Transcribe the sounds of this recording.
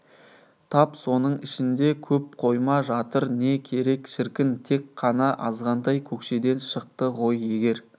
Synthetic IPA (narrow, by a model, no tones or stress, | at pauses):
t̪ʰɑpso̞nəɴɪʃɪnd̪e̞kʲʰɵp̚qʰo̞jmɑʒɑt̪əɾne̞kʲʰe̞ɾe̞kʃɪɾkʲɪnt̪ʰe̞kqʰːɑnɑʔɑzʁɑnd̪ɑjkʲʰɵkʃe̞d̪e̞nʃəqt̪əʁo̞je̞ɡʲe̞ɾ